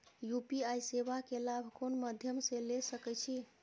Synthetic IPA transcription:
jupiajseβakelabʱkonməd̪ʱjəmselesəkɛt͡ʃʰi

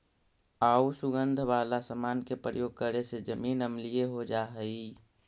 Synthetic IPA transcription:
ausuɡənd̪ʱʋalasəmaːnkepɾə̰joːɡ̚kəɾesed͡ʒəmiːnəmlijeɦod͡ʒaɦəi

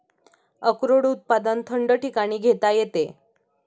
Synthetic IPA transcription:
əkɾoɽut̪̚pad̪ənt̪ʰəɳɖəʈikaɽ̃iːɡʱet̪ajet̪e

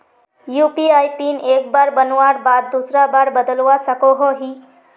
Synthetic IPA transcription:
juːpiaːjpiːneːkbaːɾbənaɾbaːd̪̚ːuːsɾabaːɾbəd̪əlʋasəkoɦoɦiː

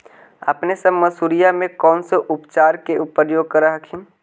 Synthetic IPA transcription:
ə̰pnesɐbməsuːɾijamẽkɔːnseʔʊpt͡ʃaːɾkeʊpːəɾjoːɡ̚kəɾaɦəkʰim

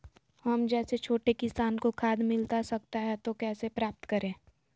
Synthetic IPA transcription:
ɦɐmd͡ʒɛːset͡ʃʰoːʈekɪsaːnkokʰaːd̪mɪlt̪asɐk̚t̪aɦɛt̪okɛːsepɾaːp̚t̪kəɾẽː

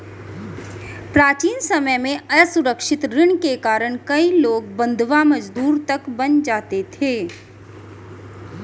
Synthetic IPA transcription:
pɾaːt͡ʃiːnsɐməjmẽʔɐsʊɾəkʃɪt̪ɾɪɳkekaːɾəɽ̃kɐiloːɡ̚bɐ̃nd̪ʱʋamɐd͡ʒd̪uːɾt̪ɐkbɐnd͡ʒaːt̪et̪ʰeː

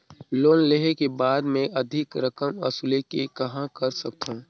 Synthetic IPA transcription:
loːnleɦekebaːd̪mẽʔɐd̪ʱɪkɾəkəmɐ̰sulekekɐɦãkɐɾsɐkt̪ʰõː

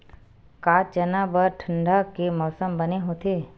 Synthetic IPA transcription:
kaːd͡ʒɐnabəɾʈʰə̃ɳɖakemɔːsəmbɐneɦoːt̪eː

